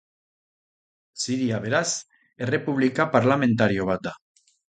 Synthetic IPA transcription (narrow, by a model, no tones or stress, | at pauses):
siɾiaβ̞e̞ɾas | ere̞puβ̞likapaɾlame̞nt̪̬aɾio̞β̞at̪̚d̪a